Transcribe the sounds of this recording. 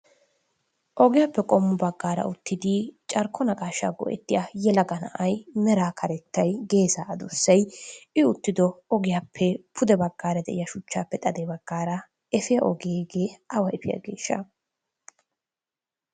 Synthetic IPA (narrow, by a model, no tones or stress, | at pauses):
ʔɔɡɪjapːɛkʼɔmːʊbɐɡːaːɾɐ̰ʊt̪ːɪd̪ɪt͡ʃʼɐɾkʰːɔnɐkʼaːʃːa̰ɡɔ̰ʔɛ̰t̪ːɪjajɛlɐɡɐnɐ̰ʔɐjmɛɾaːkʰɐɾɛt̪ʰːɐjɡe̞ːsaːʔɐd̪ʊsːɐjɪʊt̪ːɪd̪ɔɔɡɪjaːpʰːɛpʰʊd̪ɛbɐɡːaːɾɐd̪ɛ̰ʔɪjɐʃʊt͡ʃːaːpːɛt̪ʼɐd̪eːbɐɡːaːɾɐ | ɛfɪjɐʔɔɡeːɡe̞ːɐwɐɛfɪja̰ːɡe̞̰ːʃːɐ̰